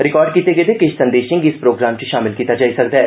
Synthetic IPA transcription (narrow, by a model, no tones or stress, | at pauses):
ɾɪkɔːɾɖ̚kiːt̪eɡeːd̪ekeʃsɐ̃nd̪eːʃɪ̃ŋɡɪspɾoːɡɾaːmt͡ʃiʃaːmɪlkiːt̪ad͡ʒaːisɐkd̪ɦɛː